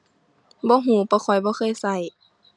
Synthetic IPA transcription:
bɔː˧˦ɦuː˨˩˦pɔː˧˦kʰɔ˨˩jbɔː˧˦xʰɤː˧˥˨jsa˧˩j

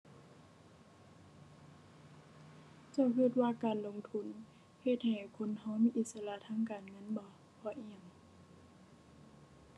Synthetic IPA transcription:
t͡ɕa˧˩wkʰi˧˩t̪̚waː˧˨kaː˨nlo˧˨ŋt̪ʰu˧˥˨n | he˧t̪̚ha˨˩jkʰo˧˥˨nha˧˥˩wmiː˧˥ʔi˧t̪̚sa˧la˧˨t̪ʰaː˧˥˨ŋkaː˨˩nŋɤ˧˥˨nbɔ˧˦ | bʰɔ˧˦ʔi˧˩əm

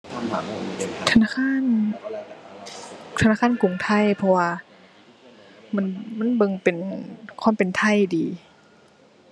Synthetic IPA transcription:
t̪ʰa˧naː˧˨kʰaː˧˥˨n | t̪ʰa˧aː˧˨kaː˧˥˨nku˨˩ŋt̪ʰa˧˥˩jpʰɔ˧waː˧ | ma˧˥˨nma˧˥˨nbɤ˧˨ŋpe˨nkʰwa˧˥˨mpe˨nt̪ʰa˧˥˨jdiː˨˦

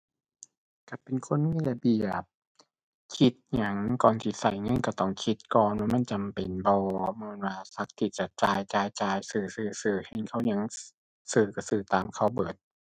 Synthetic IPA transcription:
ka˧˩pe˨nkʰo˧˥˨nmiː˧˥˨la˧˩bi˨˩əəp̚ | kʰi˦˥t̪̚ɲa˧˩ŋkɔː˨˩nt̪ʰiː˧˩sa˨˩jŋɤ˧˥˨nka˧˩t̪ɔ˧˩ŋkʰi˦˥t̪̚kɔː˨˩nwaː˧˥ma˧˥˨nt͡ɕa˨mpe˨nbɔː˧mɯː˧˨nwaː˧sa˧˦˥k̚t̪ʰiː˧˩t͡ɕa˨˩t͡ɕaː˧jt͡ɕaː˧jt͡ɕaː˧jsɯː˨˩sɯː˨˩sɯː˨˩he˧˩nkʰa˧˩˨wɲa˧˥˩ŋ | sɯː˨˩ka˧˩sɯː˨˩t̪aː˨mkʰa˧˥˩wbɤː˨˩t̪̚

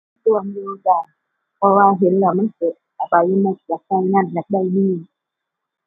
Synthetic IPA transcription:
t̪u˧˩˨ə˨miː˧ʔo˧kaː˨˩n̚ | pʰɔ˧waː˧˨ɦe˨˦nlɛ˧˩wma˧˥˨nke˨˧˦a˨˧˩ba˧˦jma˧˩˨ki˨˦k̚hɛː˧˩˨ŋŋa˧˥˨nla˧˦k̚da˧˩˨jniː˧˩˨

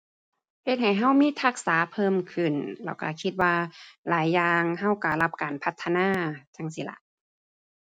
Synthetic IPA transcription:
he˧t̪̚ha˨˩jɦa˧˥˨wmiː˧˥˨t̪ʰa˧˩k̚saː˨˦pʰɤː˧˨mkʰɯ˧˩nlɛ̰ː˧˩wka̰˧˩kʰi˧t̪̚waː˧laː˨˦jːaː˧ŋɦa˧˥˩wka˧˩la˧p̚kaː˨˩npʰa˧t̪ʰːa˧naː˧˥˩t͡ɕa˧˩ŋsi˧la̰˧ʔ

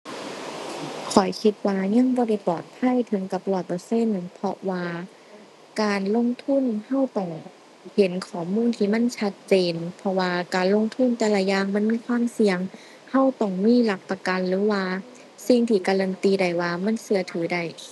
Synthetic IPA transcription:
kʰɔ˨˩jkʰi˧t̪̚waː˧ɲa˧˥˨ŋbɔː˧˦ɾa˧˩jpɔː˨˩t̪̚pʰa˧˥˨jt̪ʰɯ˨˦ŋka˧˦p̚lɔː˧˨˩t̪̚pʰːse˧˥˨npʰɔ˧waː˧ | kaː˨nlo˧˥˨ŋt̪ʰu˧˥˨nha˧˥˨wt̪ɔ˧˩ŋ | he˨˦nkʰɔː˨˩muː˧˥˨nt̪ʰiː˧˨ma˧˥˨nt͡ɕʰa˧t̪̚t͡ɕeː˨npʰɔ˧waː˧kaː˨nlo˧˥˨ŋt̪ʰu˧˥˨nt̪ɛː˧˩lɛ˧˩jaː˧˩˨ŋma˧˥˨nmiː˧˥˨kʰwaː˧˥˨msi˧əŋ | ha˧˥˨wt̪ɔ˧˩ŋmiː˧˥˨la˧˩k̚pa˧ka˨nlɯː˨˦waː˧ | si˧˩ŋt̪ʰiː˧˩kaː˧ɾa˧˨nt̪iː˧da˨˩jwaː˧ma˧˥˨nsɯ˧ɐt̪ʰɯː˨˩˦da˧˩j

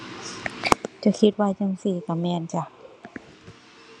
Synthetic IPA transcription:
t͡ɕa˨˧˩kʰi˧t̪̚waː˧˨t͡ɕa˧˨ŋsiː˧˩ka˧˩mɛː˧˩˨nt͡ɕa˧˩

